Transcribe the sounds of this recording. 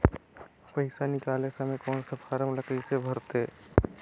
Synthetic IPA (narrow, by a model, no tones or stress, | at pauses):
pɐɪsanɪkaːlesɐmekɔːnsɐpʰaːɾəmləkəɪsebʱɐɾt̪eː